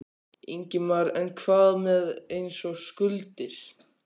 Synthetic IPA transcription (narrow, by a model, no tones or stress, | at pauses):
eɲcɪmaɾɛnkʰvaːðmɛðejnsɔɣskʏlt̪ɪɾ̥